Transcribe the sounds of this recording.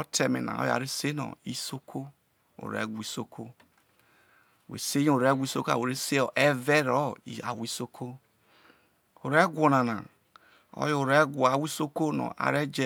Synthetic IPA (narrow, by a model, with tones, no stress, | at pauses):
o˦tʰe˨mḛ˨na̰˨o̰˦ja̰˨ɾe˦se˦no̰˨i˦so˦kʰo˦ | o̰˨ɾḛ˦˨ɡʷi˦so˦kʰo˦˨ | wḛ˨se˦jo˨ɾe˦˨ɡʷi˦so˦ka̰˨wo˨ɾe˦se˦o˨ʔe˦ve˦ɾɔ˦i˨a˨wi˦so˦kʰo˦ | o˨ɾe˦ɡʷo˨na˨na̰˨ | o̰˦jo˦˨o˨ɾe˦ɡʷo˨a˨wi˦so˦ko˦nɔ̰˨ʔa̰˨ɾe˦d͡ʒe˦